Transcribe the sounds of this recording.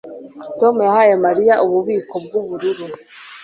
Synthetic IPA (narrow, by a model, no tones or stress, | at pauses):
to̞mujahaːjemaɾijaʔuβuβiːkʰo̞b̚ɡuβuɾuɾu